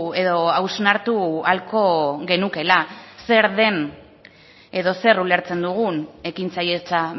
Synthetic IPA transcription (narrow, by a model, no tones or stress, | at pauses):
e̞ðo̞awznaɾt̪ualko̞ɣe̞nuke̞lase̞ɾðe̞n | e̞ðo̞se̞rule̞ɾt͡se̞nd̪uɣ̞une̞kint͡saje̞t͡sa